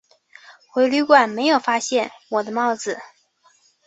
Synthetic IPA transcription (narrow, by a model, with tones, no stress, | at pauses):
xwe˧˥ɪly˥˧kwa˥˩nme˧˥ɪjo˨˩ʊfa˥ɕjɛ˥˩nwɔ˨˩d̪ə˦mɑ˥˧˩ʊd͡zɹ̩˨˩